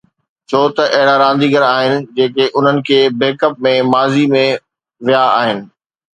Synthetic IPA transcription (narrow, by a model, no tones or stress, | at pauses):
t͡ɕʰoːt̪ɐʔɐɦɪɽaɾãːn̆d̪iːɡəɾaːɦɪnɪ̆d͡ʑeːkeʔʊn̤ənɪ̆kʰeːbeːkəp̚mẽmaːzimẽ | ʋijaa̰ːɦɪnɪ̆